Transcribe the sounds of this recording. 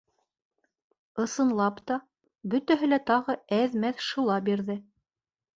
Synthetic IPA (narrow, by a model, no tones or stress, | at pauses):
ɤ̆sɤ̆nlˠɑpt̪ɑ | bɵ̆t̪æɦɘlæt̪ɑʁɤæðmæθʃɤ̆lˠɑbiɾðɘ